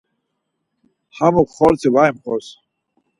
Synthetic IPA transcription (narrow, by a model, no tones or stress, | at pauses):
hamukχɔɾt͡sʰivaimχɔs